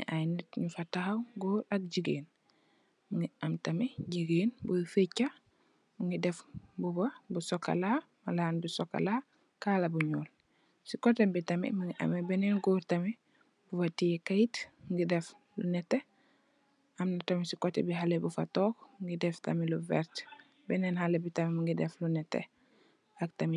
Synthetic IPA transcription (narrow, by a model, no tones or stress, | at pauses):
ḭʔajnɛtɲufatahawɡɔːɾɐk̚ɟiɡeːn | miŋɡiɐmtɐmɛɟiɡeːnbufecːa | miŋɡidɛfbubɐbusɔkːa̰laː | malaːnbusɔkːa̰laː | kalɐbuɲɔːl | sikɔtɛmbitɐmɛ̰muŋɡiʔɐ̰mɛbɛnɛnɡuɾtɐmi | bufɐtijɛkajitŋɡidɛf | lunɛtːe | ɐmnɐtɐmisikɔtɛ̰biɦalebufɐ̰tɔːkŋɡidɛftɐ̰miluvɛ̰ɾt | bɛnɛnhalebitɐmimuŋɡidɛflunɛtːɛ̰ | ɐk̚tɐmi